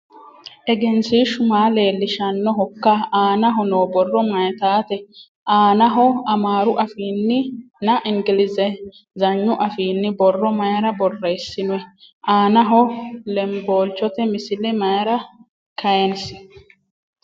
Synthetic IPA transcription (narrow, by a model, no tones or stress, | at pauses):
ʔɛɡɛnsiːʃʊmaːle̞ːlːɪʃɐnːɔɦɔkːɐaːnɐɦɔnoːbɔrːɔmɐjt̪aːt̪ɛ | ʔaːnɐɦɔɐmaːɾʊʔɐfiːnːɪ | nɐʔɪŋɡɪlɪzɛ | zɐɲːʊʔɐfiːnːɪbɔrːɔmɐjɐɾɐbɔrːejsːɪnʊɛ | ʔaːnɐɦɔlɛmbo̞ːlt͡ʃɔt̪ɛmɪsɪlɛmɐjɐɾɐ | kʰɐjɛnsɪ̥